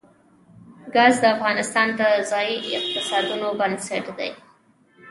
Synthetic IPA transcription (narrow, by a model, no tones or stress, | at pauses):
ɡɑzd̪əafɣɑnɪst̪ɑnd̪əzɑjiɪq̚t̪ɪsɑd̪unobansaʈd̪ḛj